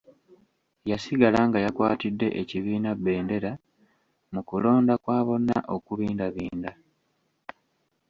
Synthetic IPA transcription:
jasiɡalaŋɡajakwa̰ːtidːe̞ʔeciβiːnabːe̞ːnde̞ɾa | mukulo̞ːndakwaːβo̞nːa̰ʔo̞kuβiːndaβiːnda

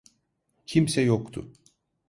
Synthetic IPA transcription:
cʰimsɛjokt̪ʰʊ̰

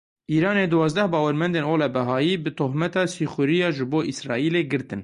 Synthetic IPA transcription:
ʔiːɾɑːneːd̪uwɑːzd̪ɛhbɑːwɛɾmɛnd̪eːnoːlɛbɛɦɑːjiːbɨt̪ʰohmɛt̪ɑːsiːxʷʊɾijɑːʒɨboːʔisɾɑ̰ːʔiːleːɡɨɾt̪ɨn

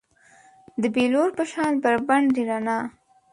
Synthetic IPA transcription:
d̪əbeloɾpəʃɑnbəɾbaɳdiɾɑnɑ

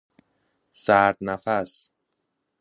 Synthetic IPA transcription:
saːt̪̚nafas

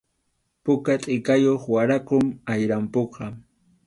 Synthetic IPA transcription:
pʊkat̪ʼɪkajoχwaɾakʊmajɾampoqɑ

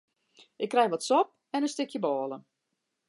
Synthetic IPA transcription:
ʔɪkːrɛjʋɔtsɔp̚ | ɛnənstɪkjəbɔːlˠə

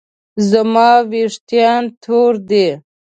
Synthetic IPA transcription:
zamɑːweʂt̪ijɑːnt̪ʰoːɾd̪e

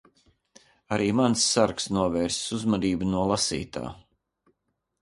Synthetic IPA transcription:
aɾiːmansːaɾksnuɔvɛːɾssuzmad̪iːbunuɔlˠasḭːt̪a̰ː

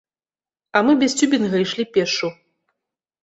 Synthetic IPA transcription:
ɐmɨbʲɛsʲt͡sʲubʲinɣɐiʂlʲipʲɛʂu

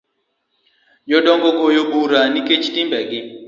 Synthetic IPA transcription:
jɔɗɔŋɡɔkɔjobuɾaniket͡ʃitimbɛɡɪ

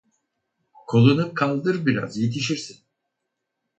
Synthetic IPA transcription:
kʰo̞lˠunɯkʰalˠd̪ɯɾbiɾa̰zje̞t̪ʰiʃiɾsin

